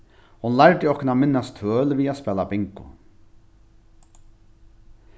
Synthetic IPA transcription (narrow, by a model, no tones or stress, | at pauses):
hʊnlaɹt̪ɪɔhkʊnamɪnːast̪ʰvøːlviːaspɛːlabɪŋkʊ̰